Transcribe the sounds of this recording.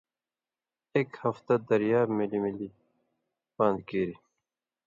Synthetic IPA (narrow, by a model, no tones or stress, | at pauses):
ekhɐft̪ɐd̪ɐɾjaːbmilimili | bãːnd̪kiːɾi